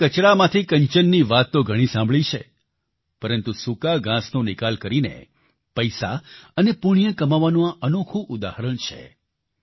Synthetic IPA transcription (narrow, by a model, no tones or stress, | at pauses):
kət͡ʃɽamãt̪ʰikəɲt͡ʃənːiʋat̪ːoɡʱəɽ̃isãmbʱɭit͡ʃʰḛ | pəɾənt̪usukaɡãsnõnɪkalkəɾinḛ | pəjsa̰ənepuɽ̃ijəkəmaʋanõaʔənokʰũʔʊd̪ahɾəɳt͡ʃʰḛ